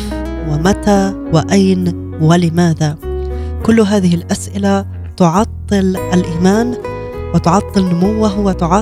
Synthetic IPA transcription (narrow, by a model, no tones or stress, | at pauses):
wɪmat̪a | wɪʔajn | wɪlɪmaːðakʊlːɦaːðɪhɪlʔasʔɪla | t̪ʊʕɑt̪ˤːɨlʔalʔiːmaːn | wɪt̪ʊʕɑt̪ˤːɨlnʊmʊwːaɦʊwːat̪ʊʕɑ